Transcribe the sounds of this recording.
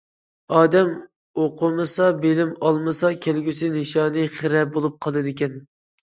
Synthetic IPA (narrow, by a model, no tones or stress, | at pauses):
ɑːd̪ɛm | oqʰʊmɨsɑbelɪmɑlˠmɨsɑkʲʰelɡʲysɪnɪʃɑːnɨχɨɾɛbolˠup̚qʰɑlˠd̪ɨd̪ɪkʲɛn